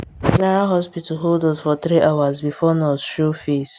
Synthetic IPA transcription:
naɾoɦɔspitɔɦoldɔzfɔt̪ɾiʔawazbifɔnɔsʃofes

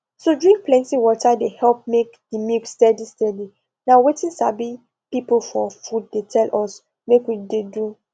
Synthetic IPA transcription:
sodɹĩŋk̚plɛ̃ntiwɔtadehɛlp̚mekdimikstɛdistɛdi | nawetĩnsabi | pipl̩fɔfud̚ːetʰɛlʔɔs | mekwidedu

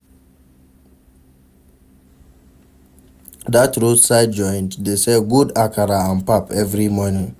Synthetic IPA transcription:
datɾotsaɪd̚d͡ʒɔ̃ɪ̃nddeseɡudakaɾaãnpapɛvɾimɔnɪ̃ŋ

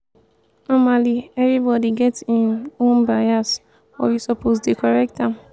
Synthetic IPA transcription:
nɔmaliɛvɹibɔdiɡɛtĩnõnbajas | fɔ̰jusɔpʰozdekɔɹɛk̚tãm

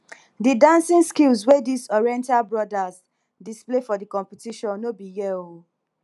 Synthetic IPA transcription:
didãnsĩŋskilswedisɔɹiɛ̃ntalbɹɔdas | displefɔdikɔ̃mpitiʃɔ̃nːobijɛo

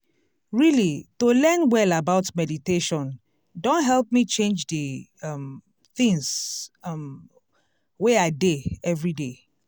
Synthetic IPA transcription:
ɹilitolɛnwɛlabaʊtmɛditeʃɔ̃n | dõntɦɛlˠp̚mit͡ʃẽnd͡ʒdəm | θĩŋs | m | weaɪdeɛvɹide

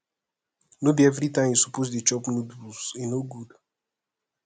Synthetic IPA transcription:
nobiɛvɾitãɪ̃mjusupoz̬det͡ʃɔpnodusĩnoɡud

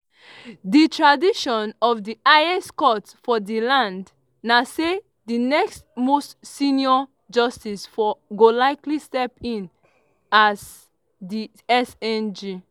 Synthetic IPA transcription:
ditʰɹadiʃɔ̃nɔvdiaɪɛskɔtsfɔdilãnd | nase | dinɛkstmostsĩniɔ | d͡ʒʌstisfɔɡolaɪklistɛpĩn | az | di | ɛsɛ̃nd͡ʒi

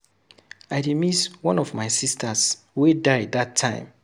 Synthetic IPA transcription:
aɪdimiswɔ̃nɔvmaɪsistʰas | wedaɪðatʰːãɪ̃m

